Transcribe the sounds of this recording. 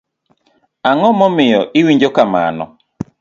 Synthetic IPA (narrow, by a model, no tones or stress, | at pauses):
aŋɔmɔmɪjɔʔɪwiɲd͡ʒokama̰nɔ̰